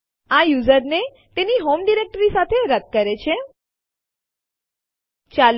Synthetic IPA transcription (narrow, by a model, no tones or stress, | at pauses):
ajuzəɾne | t̪eniɦomɖiɾek̚ʈəɾisat̪ʰeɾəd̪̚kəɾet͡ʃʰe | t͡ʃal